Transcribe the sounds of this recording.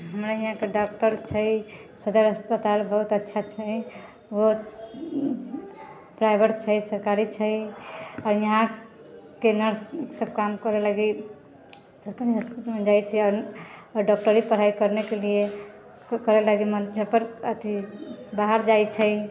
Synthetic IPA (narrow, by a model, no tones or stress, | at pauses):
ɦəmɾaiɦãkeɖɔk̚ʈəɾt͡ʃʰəjsəd̪əɾəspət̪albəɦut̪ətːʃʰat͡ʃʰəj | wo | pɾajbʱeʈt͡ʃʰəsəɾkaɾit͡ʃʰəjɔːɾjəɦã | kenəɾsksəb̚kamkəɾeləɡi | səɾkaɾiɦəspiʈmed͡ʒajt͡ʃʰɛaɾɾɖɔk̚ʈəɾipəɾ̤ajkəɾnekelie | kəɾeləɡiməd͡ʒãpəɾət̪ʰibaɦəɾd͡ʒajt͡ʃʰə